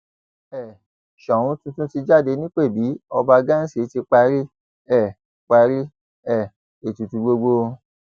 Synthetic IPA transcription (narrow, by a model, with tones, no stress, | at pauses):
ɛ˦˨ | ʃɔ̃˨ũ˧˦tũ˧˦tũ˦ti˧d͡ʒa˦˨de˧nĩ˦k͡pe˦˨bi˨˦ɔ˧ba˧ɡã˦n̩˦si˦˨˦ti˧k͡pa˧ɾi˦ | ɛ˦˨ | k͡pa˧ɾi˦ | ɛ˦˨ | e˨tũ˨tũ˧ɡ͡bo˧ɡ͡bo˧